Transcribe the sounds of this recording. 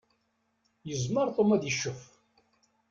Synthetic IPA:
jəzməɾˤt̪ˤomæðjəʃːʊf

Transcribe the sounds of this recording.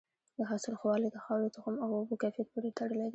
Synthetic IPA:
d̪əɦasɪlxwɑlid̪əxɑwlot̪axamawobukafjat̪̚poɾet̪aɽəled̪i

